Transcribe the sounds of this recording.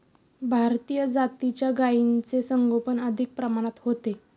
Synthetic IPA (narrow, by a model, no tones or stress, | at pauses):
bʱaɾt̪ijəd͡zat̪it͡ɕjaɡaint͡sesəŋɡʱopənəd̪ʱik̚pɾəmaɽ̃at̪hot̪e